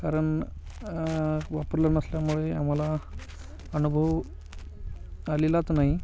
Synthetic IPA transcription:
kaɾəɳ | ʋapəɾlanəsljamuɭea̰m̤ala | ənubʱəw | alilat̪naɦi

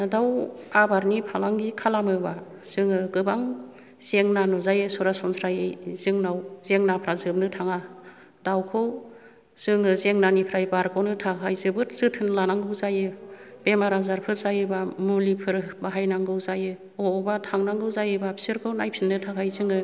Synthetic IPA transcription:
nadawabaɾnipʰalaŋɡikʰalamɯba | z̥ɯŋɯɡɯbaŋ | z̥eŋnanuzajɯsɔɾasɔnsʰɾajɯzɯŋnawzeŋnapʰɾazɯb̚nɯtʰaŋa | dawkʰɯw | z̥ɯŋɯzeŋnanipʰɾajbaɾkʰawnɯtʰakʰajzɯbɯtzɯtʰɯnlanaŋɡɯwzajɯb̥emaɾazaɾpʰɯɾzajɯbamulipʰɯɾbaɦajnaŋɡɯwzajɯ | ɔbatʰaŋnaŋɡɯwzajɯbapʰi̥sɯɾkʰɯwnajpʰinːɯtʰakʰajzɯŋɯ

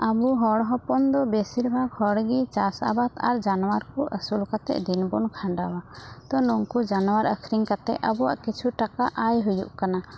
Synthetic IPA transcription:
abuɦɔɽɦɔpɔnd̪ɔbɛsiɾbʱaɡhɔɽɡit͡ʃasa̰bat̪a̰ɾd͡ʒanɔwaɾkɔʔəsulkat̪ɛ̰ʔd̪inbɔnkʰãɳɖawat̪ɔnuŋkud͡ʒanɔwaɾəkʰɾiŋkat̪ɛ̰ʔəbuwa̰ʔkit͡ʃʰuʈakaʔajɦujṵʔkana

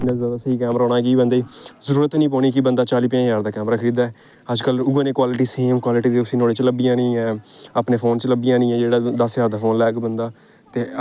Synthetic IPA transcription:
naəsəiːkɛːmɾaːɔːnaːkiːbənd̪eiːzəɾuːɾət̪nĩːpɔːɳ̃iːkibənd̪aːt͡ʃaːliːpjãːjaːɾd̪aːkɛːmɾaːkʰəɾiːd̪aːɛː | əd͡ʒkəlʊɡənẽːkwaːlɪʈiːseːmkwaːlɪʈiːd̪eːʊsĩːnoːɽeːt͡ʃləbijãːnĩːɛ̃ːəpneːpʰoːnt͡ʃləbijãːnĩːɛ̃ːd͡ʒeːɽaːd̪əsjaːɾd̪aːfʰoːnlɛːɡbənd̪aː | t̪eː

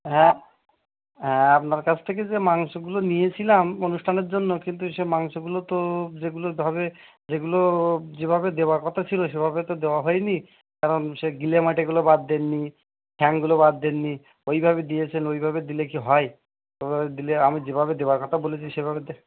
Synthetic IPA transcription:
ɦɛ̃ | ɦɛ̃apnaɾkat͡ɕʰt̪ʰek̬ed͡ʑemaŋʃoɡulonijet͡ɕʰilamonuʃʈʰaneɾd͡ʑonːokint̪̬uʃemaŋʃoɡulot̪od͡ʑeɡulobʱabe | d͡ʑeɡulod͡ʑebʱabed̪eoaɾkɔt̪ʰat͡ɕʰiloʃebʱabet̪od̪eoaɦɔjni | kaɾonʃeɡilemaʈeɡulobad̪ːenːi | kʰɛŋɡulobad̪ːenːi | ojbʱabed̪ijet͡ɕʰenojbʱabed̪ilekiɦɔe | obʱabed̪ileamid͡ʑebʱaβed̪eoaɾkɔt̪ʰabolet͡ɕʰiʃebʱabed̪e

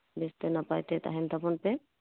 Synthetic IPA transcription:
best̪ɛnapajt̪ɛt̪a̰ɦɛnt̪apɔnpɛ

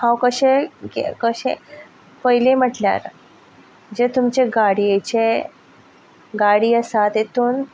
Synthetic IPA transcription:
hãwkəɕeɡḛkəɕḛ̃ | pəɦilem̤əʈlja̰ɾ | d͡ʑet̪umt͡ɕeɡaɽiet͡ɕe | ɡaɽiːəsat̪et̪uːn

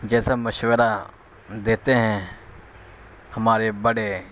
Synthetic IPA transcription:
d͡ʒɛːsaməʃwəɾa | d̪eːt̪eɦɛ̃ː | həmaːɾebəɽe

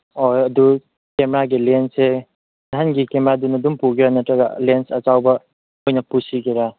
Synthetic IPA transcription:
ojɐdu | kemeɾaɡilense | aɦanɡikemeɾadunɐdumpuɡiɾanɐtɾɐɡa̰lensɐt͡ʃawbɐ | ojnɐpusiɡiɾa

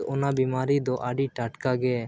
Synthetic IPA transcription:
ɔnabimaɾid̪ɔʔaɖiʈaʈkaɡɛ

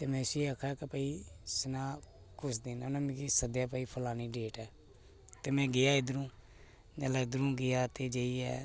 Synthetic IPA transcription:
t̪eːmɛ̃ːsieakʰaːkepəiːsɪnaː | kʊsd̪ɪnonãːmĩkiːsəd̪jaːp̬əiːpʰəlaːniːɖeːʈɛː | t̪eːmɛ̃ːɡɪjaːɪd̪ɾũː | nɛlad̪ɾũːɡɪjaːt̪eːd͡ʒeiːɛ̰ː

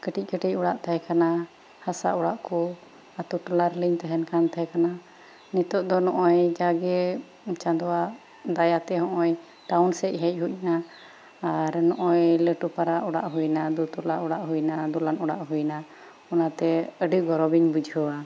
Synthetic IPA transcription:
kəʈic̚ˀkəʈic̚ˀuɽaʔt̪ʰaɦɛkana | hasa̰ʔɔɽaʔku | at̪uʈɔlaɾliɲt̪ɛɦɛnkant̪ʰaɛkana | nit̪ɔʔ̚d̪ɔnɔʔɔjd͡ʒaɡɛ | t͡ʃãnd̪ɔwa | d̪ajat̪ɛɦɔ̃ʔɔj | ʈawnsɛc̚ˀɦɛc̚ˀɦuc̚naː | ɾnɔʔɔjləʈupaɾaʔɔɽaʔɦujnad̪ut̪ɔlaʔɔɽaʔɦujnad̪ɔlanɔɽa̰ʔɦujna | ɔnat̪ɛəɖiɡɔɾɔbiɲbud͡ʒʱɦɔwa

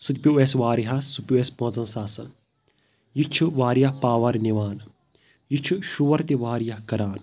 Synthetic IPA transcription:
sut̪pʲjueːsʋaːɾiɦɐsupʲjuespõːt͡sɐnsaːsɐn | jit͡ʃʰuʋaːɾjɐpaːʋɐɾniʋaːn | jit͡ʃʰuʃuʋɐɾt̪iʋaːɾjɐkɐɾaːn

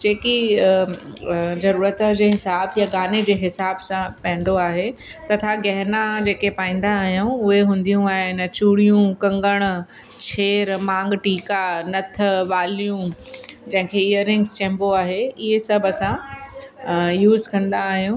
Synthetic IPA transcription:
d͡ʑeːki | zɐɾuːɾət̪d͡ʑeːɦɪsaːbsjaɡaːned͡ʑeːɦɪsaːbsãpɐ̃ɦɪ̃nd̪oaːɦe | t̪ɐt̪ʰaɡɐɦnad͡ʑeːkepaːĩːn̆d̪aːɦijũʊɦeɦũːn̆d̪ijũaːɦɪn̆t͡ɕuːɽijũkɐ̃ŋɡəɽ̃ | t͡ɕʰeːɾmãːŋɡʈiːkanɐt̪ʰə̆ʋaːlijũd͡ʑɐ̃ɦɪ̃kʰeɪjəɾɪ̃ŋɡst͡ɕɛ̃ːmboaːɦeɪɦesɐbʱɐsã | juːzkɐ̃nd̪aːɦijũ

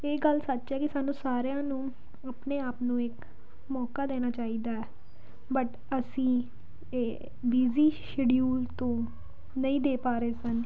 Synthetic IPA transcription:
eːɡəlsət͡ʃːt͡ʃɦɛːkɪsaːnũːsaːɾejãːnũː | əpneːaːpnũːɪk | mɔːkaːd̪eːnaːt͡ʃaːiːd̪aːɛː | bəʈ | əsĩː | biːziːʃɪɖijuːlt̪õː | nəĩːd̪eːpaːɾeːsən

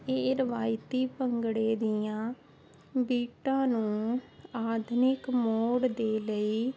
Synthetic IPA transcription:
eːɾəʋaːjt̪iːpəŋɡɽeːd̪ɪjãː | biːʈãːnũːaːd̪nɪkmoːɽd̪eːləiː

